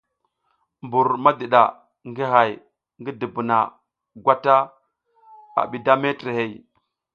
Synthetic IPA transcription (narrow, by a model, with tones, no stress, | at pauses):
mbu˨ɾma˦də˨ɗa̰˨ | ŋɡi˦ɦa˨j | ŋɡə˦də˨bu˨na˨ | ɡʷa˦ta˦ | a̰˨ɓi˨da˦me˦tɾe˨he˨j